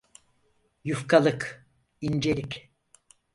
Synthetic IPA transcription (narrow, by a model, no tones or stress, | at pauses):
jufkʰalˠɯk | ind͡ʒe̞lʲik